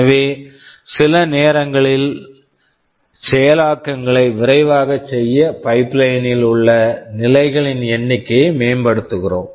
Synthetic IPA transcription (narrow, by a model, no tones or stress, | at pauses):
ɐʋeːsɪlɐneːɾɐŋɡɐɭɪl | sɛjɐlaːkːɐŋɡɐɭɐɪʋɪɾɐɪʋaːɣɐt͡ʃɛjːɐpɐɪpːlɐjnɪlʊɭːɐnɪlɐɪɣɐɭɪnɛɳːɪkːeːmeːmbɐɽɯt̪ːɯɣɪro̰ːm